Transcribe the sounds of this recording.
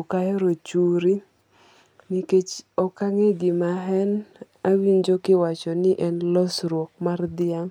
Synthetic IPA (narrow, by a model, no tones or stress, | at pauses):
okaɛɾot͡ʃuɾi | niket͡ʃɔkaŋeɡɪmaɦɛn | awiɲd͡ʒokɪwat͡ʃɔnɪʔɛnlɔsɾwɔk̚mard̪ɪaŋ